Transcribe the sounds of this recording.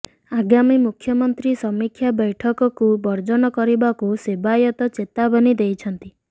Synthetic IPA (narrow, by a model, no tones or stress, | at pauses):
aɡamimukʰːjɔmɔnt̪ɾisɔmikʰjabɔjʈʰɔkɔkubɔɾd͡ʒɔnɔkɔɾibakusebajɔt̪ɔt͡ʃet̪abɔnid̪ejt͡ʃʰɔnt̪i